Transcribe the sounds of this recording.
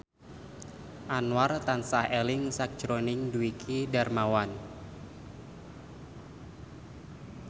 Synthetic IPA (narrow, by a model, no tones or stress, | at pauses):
ʔanwart̪ansahelɪŋsak̚d͡ʒɾonɪŋduikʰidarmawan